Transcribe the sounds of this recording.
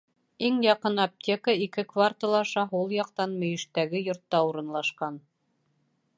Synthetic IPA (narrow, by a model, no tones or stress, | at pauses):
iŋjɑqɤnɐp̚tʲekəikɘkvart̪olˠɑʃɑɦulˠjɑq̚t̪ɑnmɵ̆jɘ̆ʃt̪æɡɘjŏɾt̪ːɑuɾɤ̆nlˠɑʃqɑn